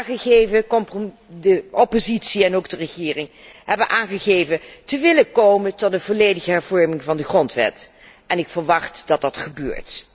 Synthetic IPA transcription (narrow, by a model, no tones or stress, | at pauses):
χəχejvəkmp | dəopozitsiɛnowɡdərəχɪːrɪŋɦɛbənʔaːnχəχeːjvətəʋɪləkowməntɔt̚dəvoːlejdəχəɦɛɹvɔɹmɪŋvɑndəχrɔntʋɛ̰t | ɛnɪkfəɹʋɑχtd̥ɑt̚dɑtχəbø̰ːɹt